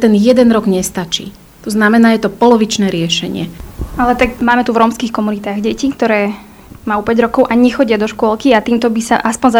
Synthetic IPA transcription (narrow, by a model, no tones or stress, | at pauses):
t̪ɛnjɛd̪ɛnɾɔɡɲɛst̪at͡ʃḭː | t̪ɔznamɛnaːjɛt̪ɔpɔlɔʋit͡ʃnɛːɾɪɛʃɛɲɪɛalɛt̪akmaːmɛt̪uvɾɔːmskiːxkɔmunit̪aːɣɟɛcik̚t̪ɔɾɛː | maupɛɟɾɔkɔʊʔaɲɲɛxɔɟɪad̪ɔʃkʊɔlˠkiat̪iːmt̪ɔbisaʔaspɔɲza